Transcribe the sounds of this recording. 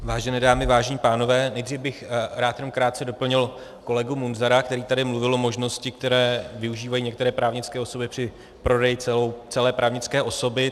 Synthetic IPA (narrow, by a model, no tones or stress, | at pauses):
vaːʒɛnɛːdaːmɪvaːʒɛɲiːpaːno̞vɛːnɛjd̪riːvbɪxɾaːt̪jɛnomkɾaːt̪̚t͡sɛdo̞pl̩ɲɪl | ko̞lɛɡumunzaɾak̚t̪ɛɾiːt̪adɪmluvɪlʔomo̞ʒno̞scɪk̚t̪ɛɾɛːvɪuʒiːvajiːɲɛkt̪ɛɾɛːpɾaːvɲɪt͡skɛːo̞so̞bjɛpr̝̥ɪ | pɾo̞dɛjɪɛt͡sɛlɛːpɾʔaːvɲɪt͡skɛːʔo̞so̞bɪ